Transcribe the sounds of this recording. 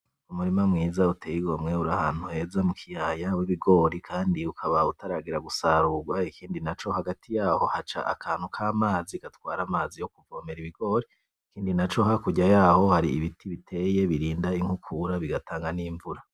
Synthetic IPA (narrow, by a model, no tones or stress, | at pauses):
umuɾimamŋiːzautʰeːjiɡo̞mŋe̞uɾahaːn̥huhe̞ːzamukʰijajawiβiɡo̞ːɾikʰaːndiukʰaβautaɾaɡiɾaɡusaɾuɡwaikʰiːndinat͡ʃo̞haɡatʰijaːho̞hat͡ʃa̰ʔa̰kʰaːn̥hukʰaːmaːzikatwaːɾamaːzijokuvo̞ːmeɾiβiɡ̥o̞ːɾi | ikiːndinat͡ʃo̞ɦakuɟajaːho̞haɾiːβitʰiβitʰe̞je̞βiɾiːndaiŋ̥hukʰuɾaβiɡatʰaːŋɡaniːɱvuɾa